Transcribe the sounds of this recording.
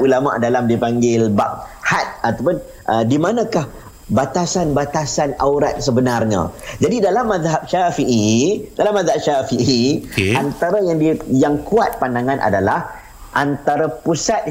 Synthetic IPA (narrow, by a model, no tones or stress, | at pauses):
ulama̰ʔdalamdipaŋɡɪlbap̚hat̪̚at̪apʊn | ʔədimanãkah | bat̪asanbat̪asanawɾa̰t̪̚səbənarɲã̰d͡ʒadidalamːaðɦap̚ʃafiʔidalamːaðɦap̚ʃafiʔiant̪aɾajaŋdijaŋkuat̪̚pandaŋanʔa̰dalah | ʔant̪aɾapusat̪̚